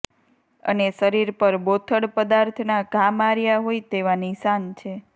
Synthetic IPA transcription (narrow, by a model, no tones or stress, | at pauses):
ə̰neʃəɾiɾpəɾbot̪ʰəɽpəd̪aɾt̪ʰnaɡʱamaɾjaɦojt̪eʋanisant͡ʃʰe